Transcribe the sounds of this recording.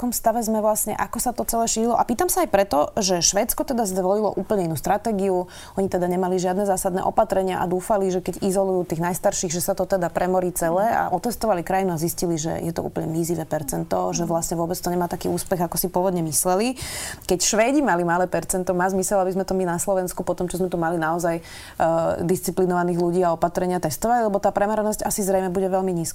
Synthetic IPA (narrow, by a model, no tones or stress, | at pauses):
kɔmst̪aʋɛzmɛʋlasɲɛ̰ʔakɔsat̪ɔt͡sɛlɛːʃiːɾilɔʔapiːt̪amsaajpɾɛt̪ɔʒɛʃʋɛːtt͡skɔt̪ɛd̪azd̪ʋɔlilɔ̰ʔuːpl̩ɲɛinuːst̪ɾat̪ɛːɡiu | ɔɲit̪ɛd̪aɲɛmaliʒɪad̪nɛzaːsad̪nɛ̰ʔɔpat̪ɾɛɲɪa̰ʔa̰d̪uːfaliʒɛkɛɟizɔlujuːt̪iːɣnajst̪aɾʃiɣʒɛsat̪ɔt̪ɛd̪apɾʔɛmɔɾiːt͡sɛlɛːa̰ʔɔt̪ɛst̪ɔʋalikɾajinuazisciliʒɛ̰jɛt̪ɔ̰ṵːpl̩ɲɛmiziʋɛːpɛɾt͡sɛnt̪ɔʒɛʋlasɲɛʋʊɔbɛt͡st̪ɔɲɛmaːt̪akiːuːspɛɣakɔsipʊɔʋɔd̪ɲɛmislɛlikɛcʃʋɛːɟimalimalɛːpɛɾt͡sɛnt̪ɔmaːzmisɛlabizmɛt̪ɔminaslɔʋɛnskupɔt̪ɔmt͡ʃɔzmɛt̪umalinaɔzaj | d̪ist͡siplinɔʋaniːɣluɟiːaɔpat̪ɾɛɲɪat̪ɛst̪ɔʋallɛbɔt̪aːpɾɛmaɾɛnɔsɟasizɾɛjmɛbuɟɛʋɛʎmiɲiːska